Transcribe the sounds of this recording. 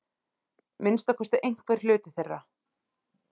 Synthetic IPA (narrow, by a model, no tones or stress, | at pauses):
mɪnst̪afɔst̪aʔejŋ̥kʰvɛːɾ̥lʏːt̪ɪθɛrːa